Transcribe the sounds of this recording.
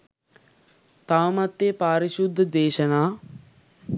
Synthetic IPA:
t̪aʋɐmat̪ːeːpaːɾiʃud̪ʱːəd̪eːʃənaː

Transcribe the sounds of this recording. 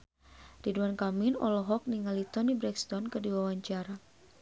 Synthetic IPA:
diduankaminɔ̰lɔɦɔk̚niŋalit̪ɔnibɾɛkst̪ɔnkərdiwawaɲt͡ʃaɾa

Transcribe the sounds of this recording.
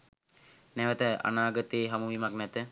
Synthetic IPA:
nɛʋət̪əa̰naːɡət̪eːɦamuʋimaknɛt̪ə

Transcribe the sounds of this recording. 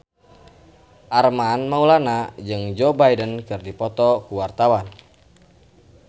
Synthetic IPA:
ʔarmanmaulanad͡ʒɨŋd͡ʒɔbajdənkɨrdipɔt̪ɔkuwart̪awan

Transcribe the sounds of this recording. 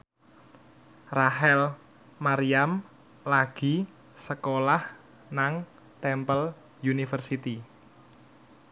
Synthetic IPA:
raɦɛl | maɾiam | laɡ̥i̤ | səkolah | naŋ | t̪ɛmpəl | junifərsit̪i

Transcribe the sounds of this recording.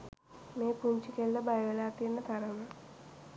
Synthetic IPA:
meːpuɲt͡ʃikeɭːɐbɐjɐʋelaːt̪ːienːɐt̪ɐɾɐmɐ

